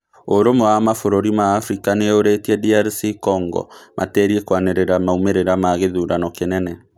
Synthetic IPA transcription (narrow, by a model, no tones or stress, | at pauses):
oɾomoamafoɾoɾimaːfɾikaneoɾetiɛdiaɾsikɔŋɡɔ̰mʔa̰teːɾiɛkwaneɾeɾamaumeɾeɾamaɣeðuɾanɔkenɛnɛ